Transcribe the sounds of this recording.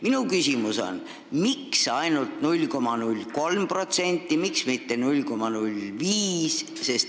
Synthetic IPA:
minukysimuso̞̰n | miksɑjnult̪nulʲko̞mɑnulʲːko̞lmpro̞t̪se̞nʲt̪ːˑimiksmit̪ːe̞nulʲko̞mɑnulʲviːs | se̞st̪

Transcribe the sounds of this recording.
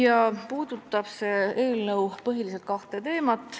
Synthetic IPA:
jɑpuːd̪ut̪ˑːɑb̥se̞e̞ːlnɤwpɤɦilis̬et̪̚kɑht̪e̞t̪e̞ːmɑt̪ːˑ

